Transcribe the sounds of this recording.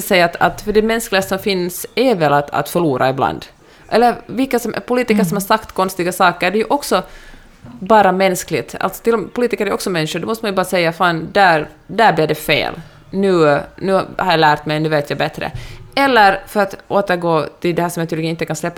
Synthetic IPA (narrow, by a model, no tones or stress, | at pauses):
sɛjːaːt̪a̰t̪fœɖɛmɛnsklɪɡast̪sɔmfɪnsævɛlat̪a̰t̪fœɭuːɾʔa̰ɪbla̰nd̪ | ʔɛlːəɾvɪlkːasɔm̰pʰʊliːt̪ɪkəʂɔmhaɾʂakt̪kʰɔnst̪ɪɡasɑːkəɾɖɛjʉʔɔksɔ | bɑːɾamɛnsklɪɡt̪a̰lt̪sɔ̥t̪ɪlːmpʰʊliːt̪ɪkəɾæɾjɔksɔmɛnːʂʊd̪ɔmɔst̪manjɵbɑːɾasɛjːafɑːnd̪æɾ | d̪æɾblidɛfḛːl | nʉːnʉːhaɾjalæːɾt̪mɛjnʉːveːt̪ʰjabɛt̪ɾə̰ɛlːəɾfœɾat̪oːt̪əɾɡoːt̪ʰɪld̪ɛhæːʂɔmjnt̪ʰyːlɪɡənɪnt̪ːəkanslɛpːa